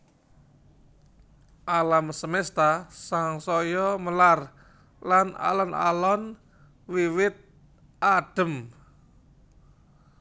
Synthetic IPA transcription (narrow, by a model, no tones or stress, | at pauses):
ʔalamsəmɛst̪asaŋsɔjɔməlar | lana̰lɔna̰lɔn | wiwɪt̪̚ | ʔaɖ̥ə̤m